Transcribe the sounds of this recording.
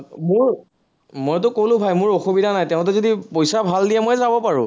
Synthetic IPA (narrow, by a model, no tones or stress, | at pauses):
mʊɹ | mojt̬ʊkolʊ̃bʱajmʊɹoxubidʱanajtɛʊ̃t̬ɛzodipojsabʱaldijɛmojzabɔpaɹʊ̰̃